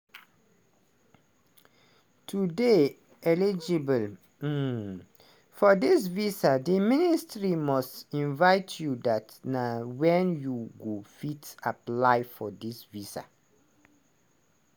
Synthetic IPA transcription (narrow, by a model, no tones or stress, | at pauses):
tʰude | ɛlid͡ʒibəl̩ | fɔdis̬visadiministɹimɔstĩnvaɪtʰjudatnawɛ̃njuɡofitaplaɪfɔdisvisa̰